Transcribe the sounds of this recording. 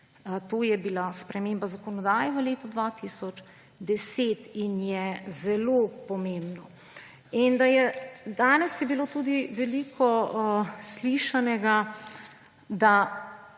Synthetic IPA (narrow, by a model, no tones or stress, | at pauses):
t̪oːjɛbilaspɾɛmeːmbazakɔnɔd̪aːjɛʋəleːt̪ɔd̪ʋat̪isɔt͡ʃ | d̪ɛseːt̪injɛzɛlopɔmẽːmbnɔ | ind̪ajɛd̪aːnɛsjɛbiloːt̪uːd̪iʋɛlikʰɔ | sliʃanɛɡa | d̪a